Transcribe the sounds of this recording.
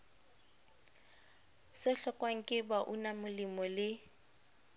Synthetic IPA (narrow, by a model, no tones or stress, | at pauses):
sɪɬɔkʼwaŋ̩kʼɪbaʔunamʊlimɔlɪ